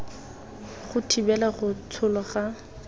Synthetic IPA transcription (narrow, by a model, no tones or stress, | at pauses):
χʊtʰibɛlaχʊt͡sʰʊlɔχa